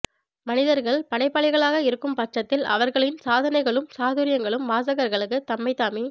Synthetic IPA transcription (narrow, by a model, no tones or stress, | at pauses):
mɐnɪðɐɾɣɐɭpɐɽɐɪpːɐɭɐɪɣɐɭaːɣɐɪɾɯkːɯmpɐʈt͡ʃːɐt̪ːɪlɐ̰ʋɐɾɣɐɭɪnsaːðɐnɐɪɣɐɭɯmsaːðɯɾɪjɐŋɡɐɭɯmʋaːs̬ɐɣɐɾɣɐɭɯkːɯt̪ːɐmːɐɪt̪ːaːmi